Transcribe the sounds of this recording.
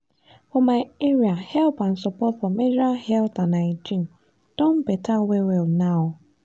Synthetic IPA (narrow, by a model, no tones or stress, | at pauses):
fɔmaɪeɹiahɛlpãnsɔpɔtfɔmedɾahɛlt̪ãnaɪd͡ʒĩn | d̥õnbetʰawewɛlnaʊ